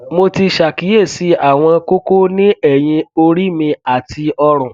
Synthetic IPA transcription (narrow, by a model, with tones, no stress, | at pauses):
mo˧ti˧ʃa˨ki˨˦e˦˨si˨˦a˦˨w̃ɔ̃˧ko˦ko˦nĩ˦ɛ˦˨j̃ĩ˧o˧ɾi˦mĩ˧a˨ti˧ɔ˧ɾ̃ɔ̃˨